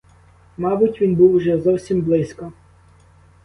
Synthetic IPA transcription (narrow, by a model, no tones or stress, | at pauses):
mɑbʊtʲʋʲinbuwʒɛzɔwsʲimblˠɪskɔ